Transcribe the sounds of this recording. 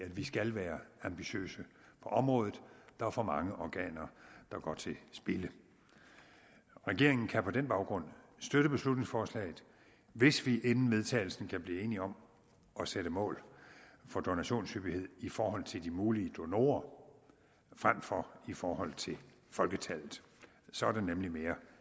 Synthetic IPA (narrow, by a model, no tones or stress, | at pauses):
ædʋisɡ̥ælʋæːɐɑ̈mb̥iɕø̰ːsə | pʰɒ̽ʔɒ̽mʁɔ̽ːðˠð̩ˠd̥ɑfɒmɑ̈ŋəʔɒɡ̥ɛ̰ːnɐd̥ɑ̈ɡ̥ɒ̰t͡sʰe̝sb̥e̝lə | ʁɛɡ̥e̝ɐ̰e̝ŋn̩kʰæpʰɒ̽d̥enb̥ɑ̈ʊɡ̥ʁɔ̽n̰sd̥øɾ̥əb̥e̝slud̥ne̝ŋsfɒːslɛ̰ːɪð̩ˠ | ʋe̝sʋiʔenn̩ʋe̝ð̞ˠt͡sʰɛ̰ɪl̩sn̩kʰæb̥liːe̝ːniɒ̽m | ʔɒ̽seɾ̥əmɔ̰̽ːlfɒ̽d̥o̝næɕo̝̰ːnshyb̥ihe̝ð̰ˠifɒːhɒ̽l̰t͡sʰe̝ld̥imuːliəd̥o̝no̝̰ːɐ | fʁam̰fɒifɒːhɒ̽l̰t͡sʰe̝l | fɒ̽lɡ̥ət͡sʰælð̩ˠ | sɒ̽æɐɾ̥enemlime̝ːɐ